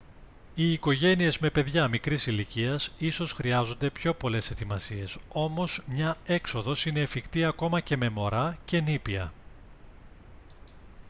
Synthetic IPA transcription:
iːko̞ʝe̞nie̞zme̞pe̞ðʝɐmikɾisiliciɐsiso̞sxɾiɐzo̞nd̪e̞pço̞po̞le̞se̞t̪imɐsie̞so̞mo̞zmɲɐe̞kso̞ðo̞sine̞ːfikt̪iɐko̞mɐce̞me̞mo̞ɾɐce̞nipiɐ̰

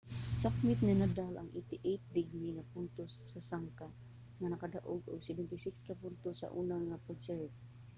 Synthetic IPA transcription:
ssapmɪt̪̚nanad̪alʔa̰ŋʔḭt̪ɪʔejt̪̚d̪ɪɡniŋapʊnt̪osːasaŋka | ŋanakad̪aʔʊɡʊ̰ɡsɛbɛnt̪ɪsɪkskapʊnt̪osa̰ʔunaŋːapʊt͡ʃɛɾt̪̚

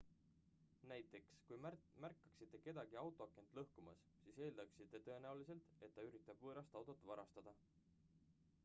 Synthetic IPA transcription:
næjt̪ˑːe̞kskujmærkːˑɑ̥ksit̪ːˑe̞ke̞d̪̥ɑɡ̥iɑwt̪ˑoɑkːˑe̞nt̪ˑlɤhkumɑs | siːse̞ːld̪ɑksit̪ːˑe̞t̪ɤe̞næulise̞lt̪ˑe̞t̪̚ːɑyɾit̪ːˑɑb̥vɤːɾɑst̪ɑwt̪ot̪ːˑvɑɾɑst̪ɑd̪̥ɑ

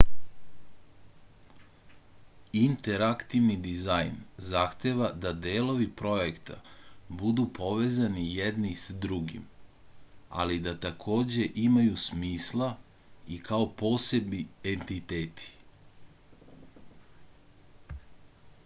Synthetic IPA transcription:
int̪e̞ɾakt̪iʋnid̪izajnzaxt̪e̞ʋad̪ad̪eːlo̞ʋipɾo̞jekt̪ʰa̰bud̪upʰo̞ʋe̞ːzanijed̪nisad̪ɾuɡḭm | a̰lid̪at̪akʰo̞ːd͡ʑe̞ʔimajusmiːslˠa | ikʰao̞po̞ːse̞bnient̪it̪eːt̪ʰi̥

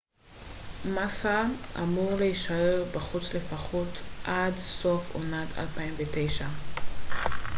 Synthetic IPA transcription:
masaʔamuʁleiʃaeʁbaχut͡sle̞faχotʔadso̞fo̰natʰa̰lpaiɱvetejʃa

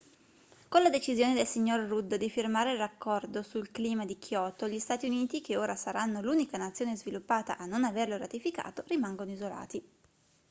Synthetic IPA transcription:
kolad̪et͡ʃizjoːned̪elsiɲːorːud̪ːd̪ifirmaːɾelrakːɔrd̪osulkliːmad̪ikʰjɔːt̪oʎist̪aːt̪iuniːt̪ik̟eoːɾasaɾanːoluːnikanat̪sːjoːnezvilupːaːt̪a̰ʔanːonaverloɾat̪ifika̰ːt̪orimaŋɡonoizola̰ːt̪i

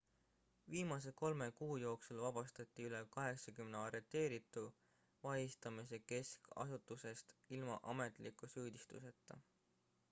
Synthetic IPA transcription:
viːmɑs̬e̞ko̞lme̞kuːjo̞ːksulvɑb̥ɑst̪ɑt̪ˑːiyle̞kɑɦe̞ksɑkymneɑɾe̞t̪ːˑe̞ːɾit̪ːˑu | vɑjist̪ɑmis̬e̞ke̞skɑ̰sut̪ːˑuse̞st̪ilmɑ̰ʔɑme̞t̪ˑlikːˑusyːd̪̥ist̪ṵse̞t̪ːˑɑ̰

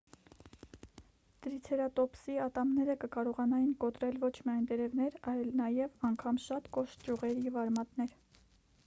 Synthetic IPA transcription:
d̪̥əɾit͡sʰɛɾɑt̪ɔpsiɑt̪ɑmnɛɾəkəkɑɾɔʁɑnɑjinkɔt̪ɾɛlvɔt͡ʃʰmiɑjnt̪ɛɾɛvnɛɾɑjlnɑjɛvɑŋkʰɑmʃɑt̪kɔʃt̪̚d͡ʒuʁɛɾjɛvɑɾmɑt̪nɛɾ

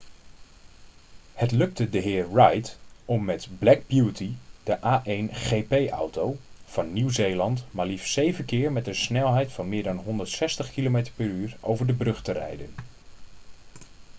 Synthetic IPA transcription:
hətlɵk̚tədəɦɪːɹrɑjtɔmːɛtblɛɡ̚bjutid̥əʔaːʔejnχejpejʔɑ̰wtowv̥ɑnːiwzejlɑntmaːɹlifsejvənkɪːɹmɛtənsnɛlˠɦɛjtfɑnmɪːɹdɑnɦɔndəɹtsɛstəχkilomejtəɹpɛɹyːɹo̰wvəɹdəbrɵχtərɛ̰jdən

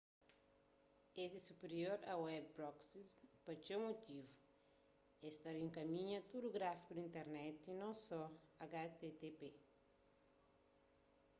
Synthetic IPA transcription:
esesupeɾioɾɐwɛbbɾɔksist̪pɐt͡ʃemot̪ivu | est̪ɐɾẽŋkɐmĩɲɐt̪ud̪uɡɾafi̥kud̪ĩnt̪eɾnɛt̪inɐ̃w̃sɔaɡat̪et̪epe

